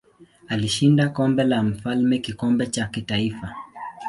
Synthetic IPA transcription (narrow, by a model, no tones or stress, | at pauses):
aliʃindakɔmbɛlam̩falmɛkikɔmbɛt͡ʃakitaifa